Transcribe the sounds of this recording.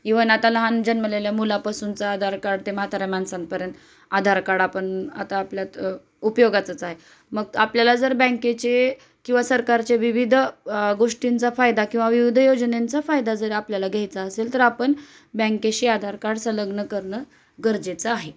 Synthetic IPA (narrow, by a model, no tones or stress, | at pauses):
iʋənat̪alaɦand͡ʑənməleljamulapasunt͡saːd̪ʱaɾkaɽt̪eməɦat̪ʰaɾjamansanpəɾjənt̪ | ad̪ʱaɾkaɽapəɳa̰t̪aːpljat̪ | upjoɡat͡sət͡saɦe | məɡapljalad͡zəɾbɛ̃ŋket͡ɕe | kĩw̃ʋasəɾkaɾt͡ɕeʋiʋid̪ʱɡoʂʈint͡safajd̪akĩw̃ʋaʋiʋid̪ʱəjod͡znent͡safajd̪ad͡zəɾeapljalaɡʱejt͡saəselt̪əɾapəɳ | bɛ̃ŋkeɕiːad̪ʱaɾkaɽsələɡɳəkəɾɳə | ɡəɾd͡zet͡saaɦe